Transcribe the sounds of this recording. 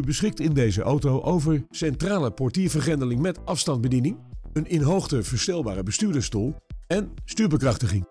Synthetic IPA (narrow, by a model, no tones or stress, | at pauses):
ybəsχɪk̚tɪndejzəʔowtowʔowvəɹsɛntraːləpɔɹtiːɹvəɹχɛndəlɪŋmɛtʔɑfstɑnd̚bədinɪŋənɪnɦowχtəvəɹstɛlˠbaːrəbəstyːɹdəstuːlˠɛnstyːɹbəkrɑχtəχɪŋ